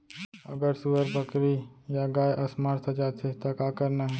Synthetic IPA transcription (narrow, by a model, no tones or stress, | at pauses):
ɐ̰ɡəɾsuəɾbəkɾijaɡaːjʔɐsmaːɾt̪ʰɐd͡ʒaːt̪ʰet̪akaːkəɾnaɦɛ